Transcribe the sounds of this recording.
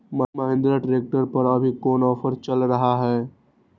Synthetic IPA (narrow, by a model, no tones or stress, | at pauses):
məmɐɦɪ̃nd̪ɾaʈɾeːk̚ʈəɾpɐɾɐbʱikɔːnɔːfʰəɾt͡ʃɐlɾɐɦaɦɛː